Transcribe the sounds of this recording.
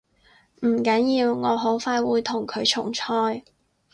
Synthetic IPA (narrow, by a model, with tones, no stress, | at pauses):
m̩˨˩kɐ˨˥njiː˨˧wŋɔː˨˧ɦo˨˥wfaː˧jwuː˨˧jt̪ʰʊ˨˩ŋkʰɵ˨˧ɥt͡ʃʰʊ̰˨˩ŋt͡ʃʰɔː˧j